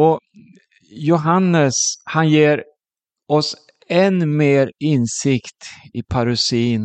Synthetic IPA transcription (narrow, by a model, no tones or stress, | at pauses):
ɔ | jʊɦanːəshanjeːɾ | ɔs | ɛnmeːɾɪnsɪkt̪ɪpʰaɾʉsiːn